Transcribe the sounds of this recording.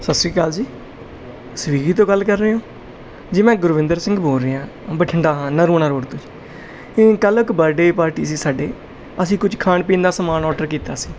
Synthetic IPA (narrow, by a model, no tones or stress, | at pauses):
səsɾiːkaːld͡ʒiː | səʋiːɡiːt̪õːɡəlːkəɾːeːɦõː | d͡ʒimɛ̃ːɡʊɾʋɪ̃nd̪əɾsɪ̃ŋɡbʱoːɾeːãː | bəʈʰəɳɖãːnəɾuːɳaːɾoːɽt̪õːd͡ʒiː | kələkbəɾɖeːpaːɾʈiːsĩːsaːɖeː | əsĩːkʊd͡ʒkʰaːɳpĩːnd̪aːsəmaːnɔːʈəɾkiːt̪a̰ːsi̥ː